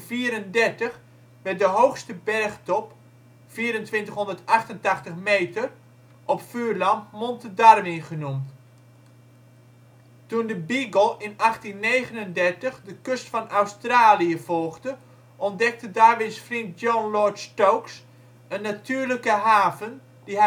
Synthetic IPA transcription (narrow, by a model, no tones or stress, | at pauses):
fiːɾəndɛɹtəχ | ʋɛrt̚dəɦowxstəbɛrχtɔp | fiːɾəntʋɪntəχɦɔndəɹtɑχtəntɑχtəχmejtər | ʔɔpfyːɹlɑmpmɔntədarʋɪnχənumt | tundəbiɡəlˠɪnɑχtinːejχənəndɛɹtəχdəkøstfɑnʔawstraːliəv̥ɔlˠɣdə | ʔɔndɛk̚tədaːɹʋɪsfrint̚jɔnlɔɹtstowks | ənːatyːɹləkəɦaːvən | di